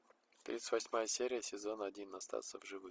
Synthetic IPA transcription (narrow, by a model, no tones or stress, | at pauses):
t̪ɾʲḭt̪sɨt̪ʲvɐsʲmajəsʲeɾʲɪjəsʲɪzo̞nɐdʲinːɐst̪a̰t̪səvʐɨvɨx